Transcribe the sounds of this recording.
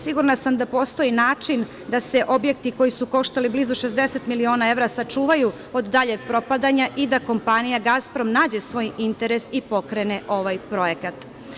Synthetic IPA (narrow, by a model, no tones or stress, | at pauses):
siɡuɾnasamd̪apo̞st̪o̞inaːt͡ʃin | d̪ase̞ʔo̞bje̞kt̪iko̞jisuko̞ʃt̪aliblizuʃe̞zd̪e̞set̪milio̞ːnae̞ʋɾasat͡ʂuːʋaju | od̪ːaʎe̞ɡpɾo̞pad̪aɲaʔid̪ako̞mpanijaɡaspɾo̞mnaːd͡ʑe̞sʋo̞ːjint̪e̞ɾesipo̞kɾeneʔo̞ʋajpɾo̞je̞kat̪